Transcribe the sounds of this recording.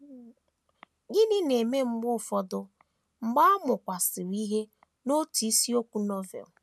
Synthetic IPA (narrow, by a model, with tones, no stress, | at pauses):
ɡɪ˦nɪ˦ne˨me˦m̩˦ɡ͡bʊ˦˨fɔ˦dʊ˦ | ŋ͡m̩˨ɡ͡ba˦ɔ˦mʊ˨kʷa˨sɪ˨wi˦ɦe˦ | no˦ti˨˦si˦o˦kʷu˦nɔ˦vɛ̰˨l